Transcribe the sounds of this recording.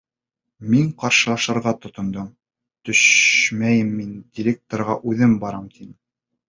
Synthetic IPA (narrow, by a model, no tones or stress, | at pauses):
miŋqɑɾʃɤ̆lˠɑʃɤ̆ɾʁɑt̪ŏt̪ŏnd̪ɤm | t̪ɵʃmæjɘmːind̪ʲɪɾʲek̚t̪oɾʁɑʔʉðɘmbɑɾɑmt̪ʰin